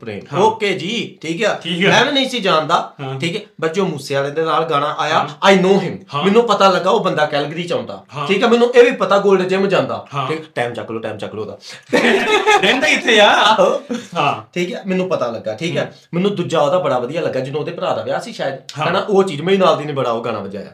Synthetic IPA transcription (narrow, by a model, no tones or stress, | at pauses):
pɾḛːoːkeːd͡ʒiːʈʰiːkaːmɛ̃ːʋɛ̃ːnə̃ĩsĩːd͡ʒaːnd̪aːʈʰiːkɛːbəd͡ʒõːmuːsejaːɾɛ̃ːnd̪eːnaːlɡaːɽ̃aːʔaːjaːaːinoːɦɪnmɪnːũːpət̪aːləɡːaːoːbənd̪aːkɛlɡd̪iːt͡ʃãːʊ̃nd̪a̰ːiːkɛːmɛnːũːʔeːʋiːpət̪aːɡoːlɖd͡ʒeːmə̃d͡ʒãːnd̪a̰ːɦiːkʈaːmt͡ʃəkːloːʈaːmt͡ʃəkloːd̪a̰ːt̪eend̪aɪt̪ʰːeːaː | ʈʰiːkɛːmɛnːũːpət̪aːləɡːaːʈʰiːkɛː | mɛnːũːd̪ʊd͡ʒaːoːd̪aːbəɽaːbəd̪ijaːləɡːaːd͡ʒɪnõːd̪eːpɾaːd̪aːʋejaːəsĩːʃaːjəd̪kːɛnaːʔoːt͡ʃiːd͡ʒmɛ̃ĩːnaːld̪iːnẽːbəɽaːoːɡaːɽ̃a̰ːbəd͡ʒaːja̰ː